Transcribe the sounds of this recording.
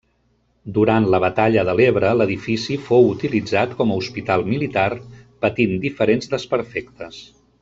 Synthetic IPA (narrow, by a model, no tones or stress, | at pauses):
d̪uɾant̪ləβ̞ət̪aʎəðəleβɾələðifisifowut̪ilid͡zat̪kɔməuspit̪alˠmilit̪arpət̪ind̪ifəɾenzd̪əspəɾfɛkt̪əs